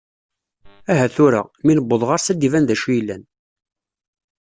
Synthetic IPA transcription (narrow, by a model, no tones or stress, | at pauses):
æɦæθʊɾa̰minəbːəðˤʁaɾsæd̪ːivænðæʃujlːæn